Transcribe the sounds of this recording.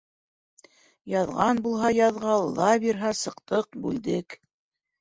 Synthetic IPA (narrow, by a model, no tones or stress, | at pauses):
jɑðʁɑnbulˠɦɑjɑðʁɑlˠːɑβiɾɦɑsɤ̆qt̪ɤq̚bʉld̪ɘk